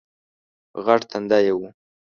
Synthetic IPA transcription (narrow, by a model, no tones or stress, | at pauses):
ɣaʈt̪ʰand̪ajewu